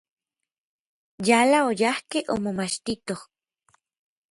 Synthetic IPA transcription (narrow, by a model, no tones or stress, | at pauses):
jalaojahkeʔo̰momat͡ʃt̪it̪oh